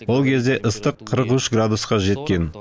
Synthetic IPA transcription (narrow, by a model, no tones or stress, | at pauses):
wo̞lˠkʲʰe̞zd̪e̞ʔəst̪əqʰːəɾəqʏʃɡrad̪usqɑʒe̞t̪kʲe̞n